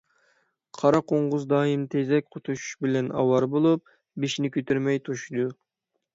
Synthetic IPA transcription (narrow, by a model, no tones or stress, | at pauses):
qʰɑɾɑqʰoɴʁʊzd̪ɑːjimt̪ʰezɛk̚ʲqʰot̪ʰuʃu̥ʃbɪlɛnɑ̰wɑɾbolˠup̚ | biʃnɪkʲøt̪ʰyɾmɛjt̪ʰoʃd̪u